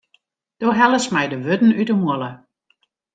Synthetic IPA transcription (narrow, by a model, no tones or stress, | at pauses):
d̥oɦɛləsmɛjdəʋødn̩ytəmuəlˠə